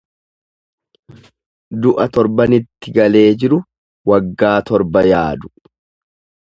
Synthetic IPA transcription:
d̪ʊʔɐt̪ɔɾbɐnɪt̪ːɪɡɐle̞ːd͡ʒɪɾʊ | wɐɡːaːt̪ɔɾbɐjaːd̪ʊ̥

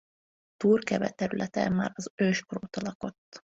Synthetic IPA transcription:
t̪uːrkɛbɛ̰t̪ːɛɾylʔɛt̪ɛmːaːɾɒzøːʃkroːt̪ɒlɒko̞t̪ː

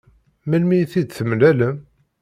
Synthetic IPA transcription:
mælmijθid̪θəmlæləm

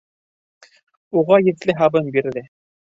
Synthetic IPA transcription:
uʁɑjɘ̆t̪lɘɦɑβɤnbiɾðɘ

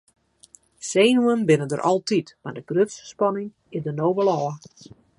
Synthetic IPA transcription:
seːnuənbɪnəndərʔɔ̰lˠtitmardəɡrøfsspɔnɪŋ | ɪzdənowʋəlɔː

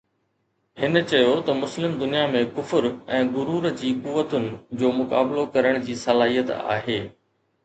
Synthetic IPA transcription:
hɪnət͡ɕɐjot̪ɐmʊslɪmd̪ʊnijamẽkʊfʊɾɛ̃ːɡʊɾuːɾd͡ʑiːkuːʋːət̪ʊnɪ̆d͡ʑoːmʊkaːblokɐɾəɽ̃d͡ʑiːsɐlaːɦijət̪a̰ːɦeː

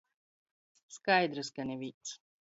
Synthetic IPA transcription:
skajd̪ɾɨskanʲivʲit̪s

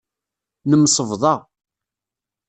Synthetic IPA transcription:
nəmsˤəvðˤɑ

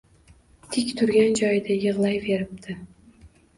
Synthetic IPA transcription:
t̪ʰɪkʲt̪ʰʊɾɡʲand͡ʒɒjɪd̪ajɨʁlˠajve̞ɾɪp̚t̪ʰɪ

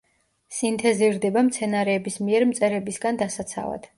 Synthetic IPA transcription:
sint̪ʰɛziɾd̪ɛbamt̪sʰɛnaɾɛːbismiɛɾmt̪sʼɛɾɛbisɡand̪asat̪sʰa̰va̰d̪̥

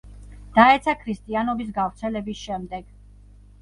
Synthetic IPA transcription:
d̪̥aɛt̪sʰakʰɾist̪ʼianɔbis̬ɡavɾt̪sʰɛlɛbisʃɛmd̪ɛɡ̥

